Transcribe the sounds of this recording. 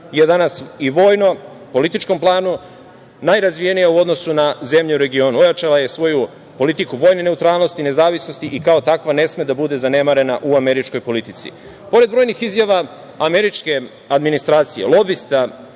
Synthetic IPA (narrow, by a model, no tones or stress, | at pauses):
je̞d̪anasiʋo̞ːjno̞ | po̞lit̪it͡ʃko̞mplˠaːnu | najɾazʋijenijauo̞d̪no̞sunaze̞mʎeuɾe̞ɡio̞nuo̞jat͡ʃalaje̞sʋo̞ju | po̞lit̪ikuʋo̞jnene̞ut̪ɾaːlˠno̞st̪ine̞zaːʋisnost̪iʔikao̞t̪akʋane̞sme̞d̪abud̪e̞zane̞maɾe̞naʔuame̞ɾit͡ʃko̞jpo̞lit̪it̪sḭ | po̞ɾed̪bɾo̞jnixizjaʋa | ame̞ɾit͡ʃke̞ | ad̪minist̪ɾaːt̪sijḛlˠo̞bist̪a